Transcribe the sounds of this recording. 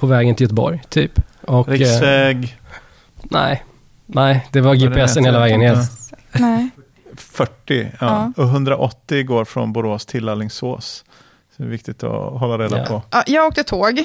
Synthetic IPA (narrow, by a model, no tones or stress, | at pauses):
pʰɔvɛːɡənɪljœt̪əbɔ̰ɾjt̪ʰyːpɔkɾɪɛɡ | næ̰ɪ | næɪd̪ɛvaɾɡeːpɛɛsːənheːlavɛːɡənjɛl | fœʈːɪɑɔɦɵnd̪ɾaʔɔt̪ːɪɡoːɾfɾɔ̰nbʊɾoːst̪ʰɪlːalːɪŋso̰ːs | sɔɛɛvɪkt̪ɪɡt̪ɔ̰ɦɔlːaɾeːd̪apʰɔjɑːɡoːk̪̚ət̪ʰoːɡ